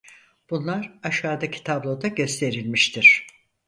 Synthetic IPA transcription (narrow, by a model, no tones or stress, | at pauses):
b̥unlˠaɾaʃaːd̪acʰi̥t̪ʰablˠo̞d̪aɟøst̪ʰe̞ɾilʲmiʃt̪ʰiɾ̝̥